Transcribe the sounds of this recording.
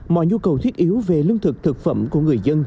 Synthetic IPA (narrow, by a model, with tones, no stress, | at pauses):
mɔ̰˧˨jɲu˧kə˨˩wt̪ʰi˦˥t̚ʔi˨˦wve˨˩lɨ˧ŋt̪ʰɨ˨˩k̚t̪ʰɨ˨˩k̚fə̰˧˩mku˧˩əŋɨ˨˩əjzə˧n